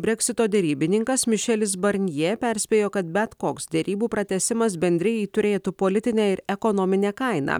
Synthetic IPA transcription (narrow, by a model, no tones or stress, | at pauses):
bʲɾʲɛkʲsʲɪt̪oːd̪ʲɛɾʲiːbʲɪnʲɪŋkɐsmʲɪʃʲɛlʲɪs̬bɐɾʲnʲjɛːpʲɛɾʲsʲpʲeːjoːkɐt̪̚bʲɛt̪koːksd̪ʲɛɾʲiːbuːpɾɐt̪ʲɛsʲɪmɐsbʲɛnʲd̪ʲɾʲɛjɛɪt̪ʊɾʲeːt̪upoːlʲɪt̪ʲɪnʲɛːɪɾɛkɔnɔːmʲɪnʲeːkɐɪnɑ̰